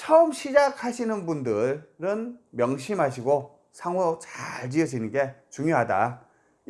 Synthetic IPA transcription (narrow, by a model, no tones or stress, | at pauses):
t͡ɕʰʌɯmɕʰid͡ʑakʰhaɕʰinɯnbundɯɾɯnmjʌŋɕ̬ʰimɦaɕ̬ʰiɡo | sʰaŋoot͡ɕaɭd͡ʑiʌɕʰinɯnɡe̞t͡ɕuŋjoɦada̰